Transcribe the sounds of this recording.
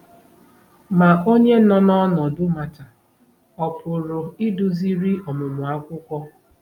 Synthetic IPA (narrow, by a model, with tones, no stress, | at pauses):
ma˨ʔo˦ɲe˦nɔ˦nɔ˦nɔ˨dʊ˦ma˨ta˨ | ɔ˨pʊ˨ɾʊ˨ɪ˦dʊ˨zi˦ɾi˦ɔ˨mʊ˨mʊ˨a˦kʷʊ˦kʷɔ˦